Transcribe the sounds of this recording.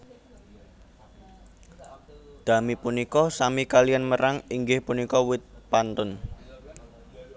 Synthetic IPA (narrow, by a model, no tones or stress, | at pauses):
d̪̥ä̤mipunikɔsamikalijanməɾaŋiŋɡɪhpunikɔwɪt̪̚pant̪ʊn